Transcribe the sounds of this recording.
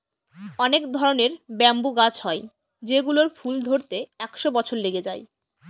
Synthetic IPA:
ɔnekd̪ʱɔɾoneɾbɛmbuɡat͡ɕʰɦɔe | d͡ʑeɡuloɾfuld̪ʱoɾt̪eɛkʃobɔt͡ɕʰoɾleɡed͡ʑaj

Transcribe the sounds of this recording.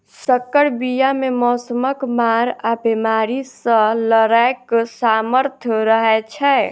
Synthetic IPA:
səkːəɽbijamemɔsəməkmaɾabemaɾisə̃ləɾajksaməɾt̪ʰɾəɦɛt͡ʃʰɛ

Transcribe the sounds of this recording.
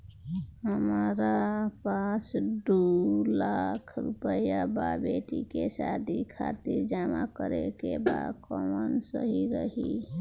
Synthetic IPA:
ɦəmɾapasɖulakʰɾupəjababeʈikesad̪ʱikʰat̪iɾd͡ʒamakəɾekebad̪kɔmənsəɦiɾəɦi

